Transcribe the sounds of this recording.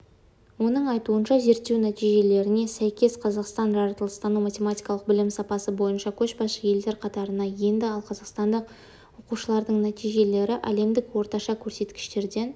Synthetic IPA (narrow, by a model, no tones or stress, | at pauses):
wo̞nəɴɑjt̪uənʃɑze̞ɾt̪ːewnæt̪ijʒe̞le̞ɾɪne̞sæjkʲe̞sqʰɑzɑqst̪ɑnʒɑɾɑt̪əlˠəst̪ɑnuwmat̪ʲe̞mat̪ʲijkɑlˠəq̚bɪlɪmsɑpɑsəbo̞jənʃɑkʲʰɵʃbɑəje̞ld̪e̞ɾqʰɑt̪ɑɾənɑje̞nd̪ɪɑlˠqʰɑzɑqst̪ɑnd̪əq | wo̞quʃəlˠɑɾd̪əɴnæt̪ijʒe̞le̞ɾɪʔæle̞md̪ɪkwo̞ɾt̪ɑʃɑkʲʰɵɾse̞t̪kʲɪ̥ʃt̪e̞ɾd̪e̞n